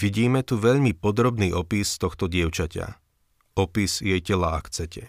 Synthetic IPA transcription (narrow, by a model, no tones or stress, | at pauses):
ʋiɟiːmɛt̪uʋɛʎmipɔd̪ɾɔbniːʔɔpist̪ɔxt̪ɔɟɪɛʊt͡ʃaca̰ | ɔpisjɛjcɛlaakt͡sɛcɛ